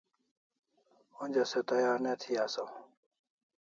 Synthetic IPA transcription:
onʲd͡ʑɐset̪ɐjaːɾnet̪ʰiaːso

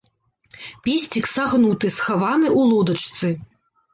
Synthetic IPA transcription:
pʲesʲt͡sʲiksaɣnut̪ɨsxavanɨʔulˠɔd̪ɐt͡ʂt̪sɨ

